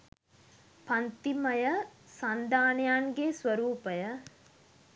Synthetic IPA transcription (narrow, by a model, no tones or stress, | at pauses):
pant̪iməjəsand̪aːnejaŋɡesʋəɾuːpəjə